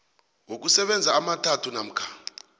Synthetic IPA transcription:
wok̬usɛɓɛnd͡zʱaːmatʰatʰunam̩kʰaː

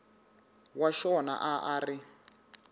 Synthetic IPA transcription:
waʃɔna̰ʔaʔaːri

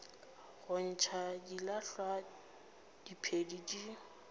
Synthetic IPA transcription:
ɣʊn̩t͡ʃʰadilaɬwa | d̥ipʰedidi

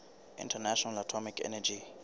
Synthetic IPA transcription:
ḭ̃ntʰanaʃɔnalatʰɔmikʰɛ̰nɛd͡ʒi

